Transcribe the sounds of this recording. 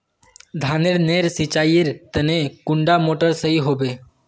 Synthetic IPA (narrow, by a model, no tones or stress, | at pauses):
d̪ʱaːneɾneɾsɪt͡ʃaːjeɾt̪ənekʊ̃ɳɖamoːʈəɾsəɦiɦoːbeː